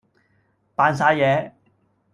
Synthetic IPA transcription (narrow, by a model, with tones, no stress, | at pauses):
paː˨˧ns̬aː˨˧jjɛː˨˧